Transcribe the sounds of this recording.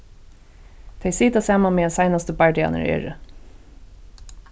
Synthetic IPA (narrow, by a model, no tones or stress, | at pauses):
t̪ʰɛjsiːt̪asaːmanmeːɛnsɑjnast̪əbaɹɖɪa̰nə̰ɹḛːɹə̰